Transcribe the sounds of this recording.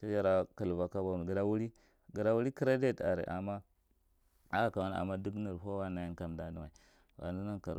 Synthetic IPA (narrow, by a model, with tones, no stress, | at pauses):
ta˦ja˦ɾa˦ka˨lva˨ka˦ba˨ɡi˨ɾa˦wu˦ɾi˦ | ɡə˨ɾa˦wu˦ɾi˦ki˦ɾa˦de˦ta̰˨ɾḛ˨ʔa˨ma˦ | a˦a˨ka˨wa˦n˨a̰˨mːa˦du˦ɡni˨ɾɦo˦wa˦na˨ji˦ka˨mda˦di˦ma˨i˨ | wa̰˨ni˦na˦ŋka̰˨ɾ